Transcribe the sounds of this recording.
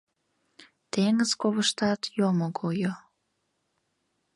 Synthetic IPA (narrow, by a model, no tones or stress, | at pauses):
t̪eŋəzkoβəʃt̪ɑt̪jomokʰojo